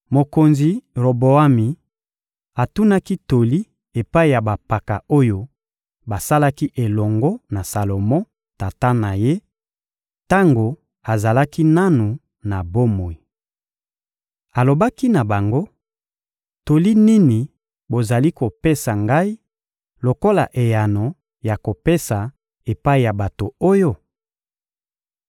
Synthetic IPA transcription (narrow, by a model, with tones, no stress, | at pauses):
mo˨ko˨nzi˨ʁo˨bo˨a˦mi˨ | a˨tu˦na˦ki˦to˨li˦ | e˨pa˦i˨ja˨ba˨pa˨ka˨o˦jo˦ | ba˨sa˦la˦ki˦ʔe˨lɔ˨ŋɡɔ˦na˨sa˨lo˨mɔ̃˦ | ta˨ta˦na˨je˦ | ta˦ŋɡo˨ | a˨za˨la˦ki˦na˦nu˨ | na˨bo˦mo˨i˨ | a˨lo˨ba˦ki˦na˨ba˨ŋɡo˦ | to˨li˦ni˦ni˨ | bo˨za˨li˦ko˨pe˦sa˨ŋɡa˦i˦ | lo˨ko˦la̰˨ʔe˨ja˨no˨ | ja˨ko˨pe˦sa˨ | e˨pa˦i˨ja˨ba˨to˨o˦jo˦